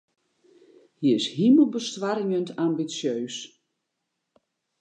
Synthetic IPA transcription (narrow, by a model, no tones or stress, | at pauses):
hiɪshiməlˠbəstʋariŋəntʰambisjøːs